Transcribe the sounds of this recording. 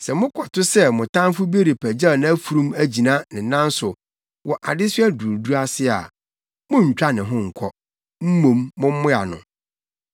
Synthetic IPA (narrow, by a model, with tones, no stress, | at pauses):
sɛ˨mʊ̃˦kʰɔ˨tʰʊ˦sɛ˦mʊ̃˨tã˦m˦fʊ˦be˦ɾi˨pʰæ˨d͡ʑa˦˨nã˦æ˦fu˨ɾũ˦mæ˦d͡ʑi˨nã˦nɪ̃˨˦nːã˦n˦sʊ˨ | wʔɔ˨ʔa˨dɪ˦sʊ˦æ˦du˨u˨du˦a˦sɪ˦a̰˨ | mʊ̃˦ɲ̩˨t͡ɕᶣa˦nɪ̃˨ɦʊ̃˦ŋ̩˨kʰɔ˦ | m̩˦mũ˨mːʊ̃˦m̩˦mʊ̃˦a˨nʊ̰̃˨